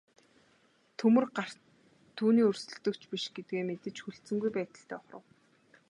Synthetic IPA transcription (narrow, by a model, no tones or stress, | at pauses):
t̪ʰɵmɵ̆rɢar̥ | t̪ʰːuːniːɵrsɵ̆ɮt̪ɵ̆kt͡ɕpiʃɡ̥et̪̚ɡeːmet̪ɘ̆t͡ɕxuɬt͡sɘ̆ŋɡujpæːt̪ə̆ɬt̪ʰeːɔχrə̰̆w